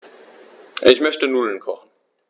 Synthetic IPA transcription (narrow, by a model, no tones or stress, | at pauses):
ʔɪçmœçtənuːlnkʰɔχn̩